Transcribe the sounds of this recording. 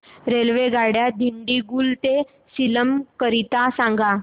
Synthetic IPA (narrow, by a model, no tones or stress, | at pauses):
ɾelʋeɡaɽjad̪ʱiɳɖiɡuːlt̪e | siləmkəɾit̪asãŋɡa